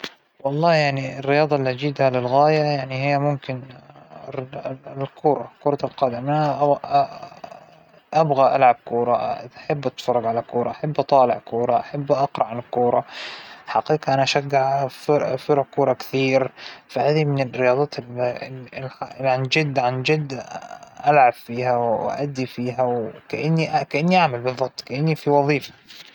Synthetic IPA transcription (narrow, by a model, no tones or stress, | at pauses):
wɑlˤːɑːjaʕniɪrːɪjɑːd̪ˤɑʔlːiʔad͡ʒiːd̪halɪlɣaːjajaʕnihɪjːamʊmkɪn | lkʰuːɾˤɑkʊːɾˤɑlqɑːd̪ɪmʔanaʔ | ʔabɣaʔa̰lʕab̚kuːɾˤɑaħabːʔat̪fɑrˤːɑɡʕalakuːɾˤɑʔħabːʔɑt̪ˤɑːlɪʕkuːɾˤɑʔaħabːʔɑqɾˤɑʕanɪkuːɾˤɑħaqiːqʔanaʔaʃaɡːaʕffɪɾˤɑkːuːɾˤɑkɪ̥θiːɾfahaːd̪imɪnɪrɪjɑːd̪ˤɑːt̪ | aʕand͡ʒɪd̪ːʕand͡ʒɪd̪ːʔalʕabfiːɦawwʔa̰ʔad̪ːifiːɦawkaʔanːiʔakaʔanːiʔaʕmalbɨðˤːɑb̥̚t̪kaʔanːifiwɑðˤiːfḁ